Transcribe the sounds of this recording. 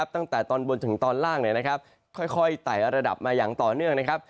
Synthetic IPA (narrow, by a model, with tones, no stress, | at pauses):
p̚t̪a˥˩ŋt̪ɛː˨˩t̪ɔː˧nbo˧nt̪ʰɯ˩˦ŋt̪ɔː˧nlaː˥˩ŋni˥˩əna˦˥kʰa˦˥p̚ | kʰɔ˥˩jkʰɔ˥˩jt̪a˨˩jɾa˧da̰˨˩p̚maː˧jaː˨˩ŋt̪ɔː˨˩nɯ˥˩əŋna˦˥kʰa˦˥p̚